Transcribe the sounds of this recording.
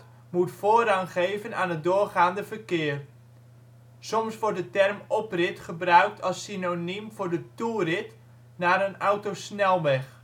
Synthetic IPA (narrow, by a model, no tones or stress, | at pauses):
mutfoːɾɑŋχejvəna̰ːnɦət̚dʊːrχaːndəvərkɪːr | sɔmsʋɔɹdətɛrmɔprɪtχəbrœɥk̚tʰɑlˠsinonimv̥ʊːɹdəturɪt | naːɾənɑwtosnɛlˠʋɛχ